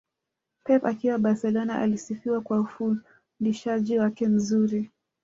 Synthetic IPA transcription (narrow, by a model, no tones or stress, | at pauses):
pɛpakiwaɓaɾsɛlɔnaʔa̰lisifiwakwaufu | ndiʃaʄiwakɛm̩zuɾi